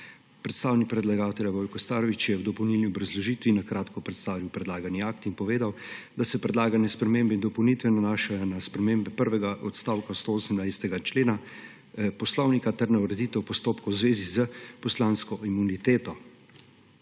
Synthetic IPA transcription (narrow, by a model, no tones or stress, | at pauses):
pɾɛt̪st̪aːwnik̚pɾɛd̪laɡaːt̪ɛljabɔːjkɔst̪aːɾɔʋit͡ʃjɛwd̪ɔpɔwnilniɔbɾazlɔʒiːt̪ʋinakɾaːt̪kɔpɾɛt̪st̪aːʋiwpɾɛd̪laːɡaniak̚t̪inpɔʋeːd̪awd̪asɛpɾɛd̪laːɡanɛspɾɛmeːmbɛind̪ɔpɔwnit̪ʋɛnanaːʃajɔnaspɾɛmeːmbɛpəɾʋɛɡaʔɔt̪st̪aːwkast̪oosəmnajsɛ̥t̪ɛɡat͡ʃleːna | pɔslɔwnikat̪ɛɾnɛwɾɛd̪it̪ɛwpɔst̪oːpkɔwzʋeːzizəpɔslaːnskɔʔimunit̪eːt̪ɔ